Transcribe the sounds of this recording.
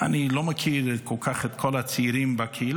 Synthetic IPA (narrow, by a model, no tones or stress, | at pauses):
anilomakʰiɾɛtkʰɔlˠkʰaχɛt̪kʰɔlat͡siːɾimbakʰiil